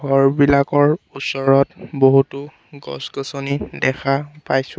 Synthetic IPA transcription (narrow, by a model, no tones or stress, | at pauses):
ɡɔɹbilakɔɹusɔɹɔtboɦutu | ɡɔ̰sɡɔsonidɛkʰapajsʊ